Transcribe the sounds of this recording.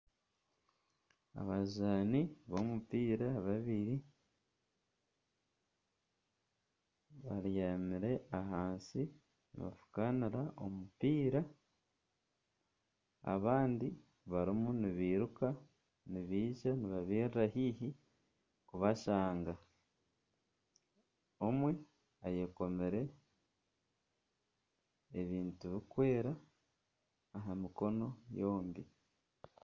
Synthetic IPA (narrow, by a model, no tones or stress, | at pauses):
a̰βazaːniβo̞mupiːɾaβaβiɾi | βaɾjaːmiɾe̞aɦaːnsi | nḭβa̰fu̥kaniɾaʔo̞mupiːɾa | a̰βaːndi | βaɾimuniβiːɾuka | niβiːʒaniβaβiːɾiɾahiːɦi | kuβaʃaːŋɡa | o̞mwe | aje̞ko̞meɾe̞ | βiːntuβikwe̞ːɾa | ɦamiko̞no̞jo̞ːmbi